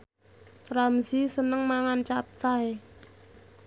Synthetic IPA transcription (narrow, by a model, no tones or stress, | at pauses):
ramzisənəŋmaŋant͡ʃap̚t͡saj